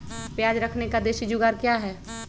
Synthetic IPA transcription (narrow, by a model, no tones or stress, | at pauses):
pjaːd͡ʒɾɐkʰnekad̪eːʃid͡ʒʊɡaːɾkjaɦɛː